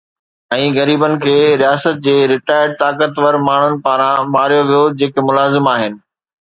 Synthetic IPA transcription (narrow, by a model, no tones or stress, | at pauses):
ɛ̃ːɣɐɾiːbənɪ̆kʰeːɾijaːsət̪̚d͡ʑeːɾɪʈaːɪəɖ̚t̪aːkət̪ʋəɾmaːɳ̤ʊnɪ̆paːɾãmaːɾijoʋijod͡ʑeːkemʊlaːzɪmaːɦɪnɪ̆